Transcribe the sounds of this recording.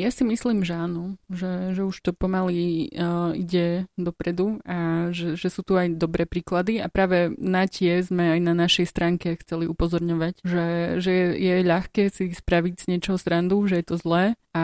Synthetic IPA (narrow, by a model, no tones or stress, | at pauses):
jasimisliːmʒɛaːnɔʒɛʒɛuʃt̪ɔpɔmali | ḭɟɛd̪ɔpɾɛd̪uaʒɛʒɛsuːt̪uajd̪ɔbɾɛːpɾiːklad̪iapɾaːʋɛnacɪɛzmɛajnanaʃɛjst̪ɾaːŋkɛxt͡sɛliupɔzɔɾɲɔʋacʒɛʒɛɛjɛʎaxkɛːsispɾaʋiɟz̥ɲɪɛt͡ʃɔɦɔst̪ɾand̪uʒɛjɛt̪ɔzlɛː | a